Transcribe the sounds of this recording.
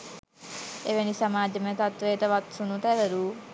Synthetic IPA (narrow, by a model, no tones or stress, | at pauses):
eʋenisɐmaːd͡ʒɐmet̪ɐt̪ʋeːt̪əʋɐt̪sunut̪æɾɐɾuː